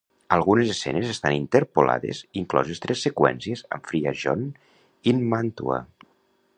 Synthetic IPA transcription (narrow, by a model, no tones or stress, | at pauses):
əlˠɣunezesɛ̰nezest̪anint̪eɾpola̰ðḛziŋklɔzest̪ɾɛsːekwɛ̰nsiezə̰ɱfɾiaʒɔn | inmant̪ua̰